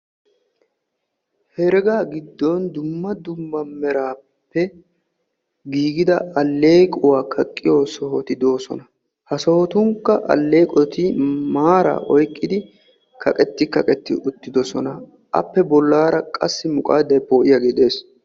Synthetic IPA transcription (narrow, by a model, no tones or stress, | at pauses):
hɛɾɛɡaːɡɪd̪ːɔnd̪ʊmːɐd̪ʊmːɐmɛɾaː | pːɛ | ɡiːɡɪd̪ɐɐlːe̞ːkʼʊwaːkʰɐkʼːɪjoːsɔɦɔt̪ɪd̪o̞ːsɔ̰nɐ | hɐsɔhɔt̪ʊŋkːɐʔɐ̰lːe̞ːkʼɔt̪ɪmaːɾa̰ʔɔjkʼːɪd̪ɪ | kʰɐkʼɛt̪ːɪkɐkʼɛt̪ːɪʔʊt̪ːɪd̪ɔsɔnɐ | ʔɐ̰pːɛbɔlːaːɾɐkʼɐsːɪmʊkʼa̰ːd̪ɐjpoːʔɪjɐɡɛd̪e̞ːs